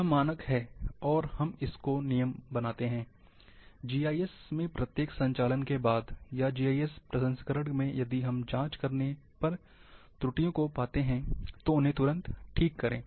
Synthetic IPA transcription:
maːnəkɦɛːɔːɾhɐmɪskonijəmbɐnaːt̪eɦɛ̃ː | d͡ʒiːaːiɛsmẽpɾɐt̪jeːksɐ̃ɲt͡ʃaːlənkebaːd̪jad͡ʒiːaːiɛspɾɐsə̃nskəɾəɽmẽjɐd̪iɦɐmd͡ʒãːt͡ʃkɐɾne | pɐɾ | t̪ɾʊʈijõkopaːt̪eɦɛ̃t̪oʊnɦẽt̪ʊɾə̃nt̪ʈʰiːkːɐɾḛ̃ː

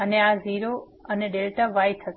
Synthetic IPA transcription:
əneaziɾo | əneɖelʈaʋajt̪ʰə

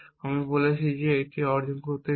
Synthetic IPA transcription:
amibolet͡ɕʰid͡ʑeeʈiɔɾd͡ʑonkoɾt̪e

